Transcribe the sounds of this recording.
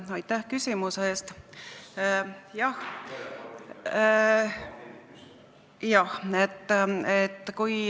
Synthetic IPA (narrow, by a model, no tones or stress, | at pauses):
ɑjt̪ːæhkysʲimuseːst̪ | jɑh | jɑhet̪ːˑet̪ːˑkuj